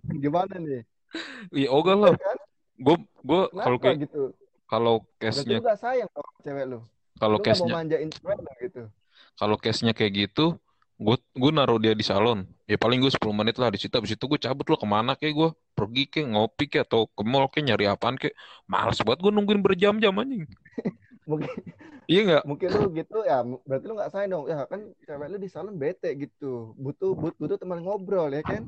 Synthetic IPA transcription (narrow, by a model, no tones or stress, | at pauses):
ɡimananɪ | jaoɡalaa | ɡua | ɡuakalokajaɡ̪u | kalokɛsɲaɡasajaŋkalt͡ʃɛwɛlʊ | kalokɛɲaaɲd͡ʒaint̪əɛt̪̚laɡit̪u | kalokɛsɲakajaʔɡit̪u | ɡuaɡuanaɾodiadisalɔn | japalɪŋɡuasə̥puluhmənɪt̪lahdisit̪abisit̪uɡuat͡ʃabʊt̪̚lahkəmanakaɡuapərɡikaŋopikɛat̪aukəmɔlkɛɲaɾiapankɛʔma̰la̰sbaət̪̚ɡuanuŋkɪnbərd͡ʒamd͡ʒamaɲɪŋ | mukɪijaŋɡaʔmuŋkɪnluɡit̪ujambɾat̪iluŋɡaʔsajadɔŋjakant͡ʃawɛludisalɔnbet̪ɛʔɡit̪ubut̪ububut̪ut̪əmanŋobɾɔljakan